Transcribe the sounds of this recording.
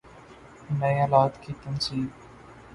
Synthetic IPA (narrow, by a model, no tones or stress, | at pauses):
nəĩːəlaːt̪kʰiːt̪ənsiːb